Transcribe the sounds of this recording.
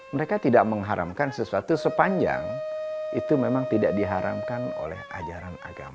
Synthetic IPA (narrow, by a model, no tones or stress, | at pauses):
məɾekat̪idaʔ̚məŋɦaɾʔa̰mkansəsuat̪usəpaɲd͡ʒa̰ŋit̪umemaŋt̪idaʔ̚diɦaɾa̰mkano̰lɛ̰hʔa̰d͡ʒaɾana̰ɡa̰ma